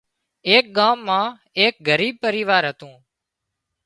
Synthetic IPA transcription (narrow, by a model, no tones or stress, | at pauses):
eːk̚ɠaːmːãː | eːk̚ɡəɾiːb̚pəɾiːʋaːɾɦət̪ũː